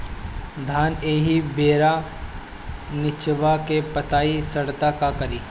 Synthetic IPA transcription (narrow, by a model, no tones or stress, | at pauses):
d̪ʱaːneːɦibeːɾa | nɪt͡ʃʋakepɐt̪aːisɐɽt̪akakɐɾiː